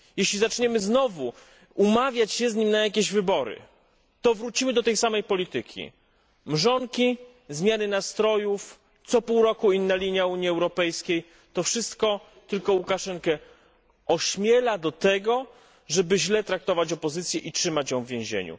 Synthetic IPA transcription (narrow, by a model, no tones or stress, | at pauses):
jeɕlʲizat͡ʂɲɛmɘznɔvu | umavʲjat͡ɕɕɛzɲimnajak̬ʲeʑvɘbɔɾɘ̰ | t̪ɔvɾut͡ɕimɘd̪ɔt̪ɛjsamɛjpɔlʲit̪ɘkʲʰḭ | mʐɔŋkʲi | zmʲjanɘnast̪ɾɔjuf | t̪sɔpuwɾɔkuinːalʲiɲjauɲjiɛwɾɔpɛjskʲej | t̪ɔfʂɘst̪kɔ | t̪ɘlkɔwukaʂɛŋkɛ | ʔɔɕmʲjɛlad̪ɔt̪ɛɡɔ | ʐɛbɘʑlɛt̪ɾak̚t̪ɔvat͡ɕɔpɔzɘt̪sʲjɛʔitʂɘmat͡ɕjɔ̃w̃vvʲjẽʑḛɲṵ